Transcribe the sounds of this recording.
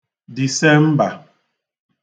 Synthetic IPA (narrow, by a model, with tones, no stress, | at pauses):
di˨sɛ˦m̩˦ba˨